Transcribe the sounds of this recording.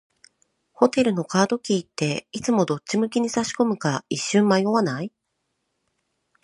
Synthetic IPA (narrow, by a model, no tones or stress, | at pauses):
ho̞t̪e̞ɾɯ̟no̞kaːd̪o̞kʲiːt̪ːe̞it͡sɨmo̞d̪o̞t͡ɕːimɯ̟kʲiɲ̟isaɕi̥ko̞mɯ̟kaiɕːɨ̃ːmːajoβanai